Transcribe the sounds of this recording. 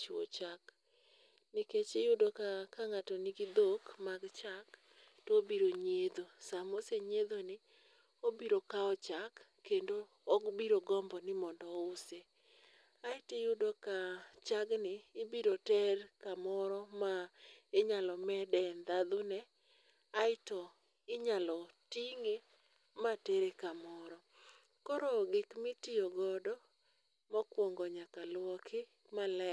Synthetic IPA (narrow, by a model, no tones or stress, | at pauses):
t͡ʃo̰t͡ʃak | nɪket͡ʃɪjʊdokakaŋatoniɡɪd̪okmaɡt͡ʃak | tobiɾoɲed̪osamoseɲed̪onɪ | obiɾokaɔt͡ʃakːendoː | ɡbiɾoɡɔmbɔnɪmɔndɔʊse | aɪtɪjʊdɔkat͡ʃaɡnɪːbiɾotɛrkamɔɾɔmaɪɲalɔmɛdɛnd̪ad̪ʊnɛ | aɪtɔ | ɪɲalɔtiŋe | mateɾekamɔɾɔ | kɔɾɔɡɪkmɪtɪjɔɡɔdɔ | mɔkwɔŋɡɔɲakalwɔkʰɪ | malɛ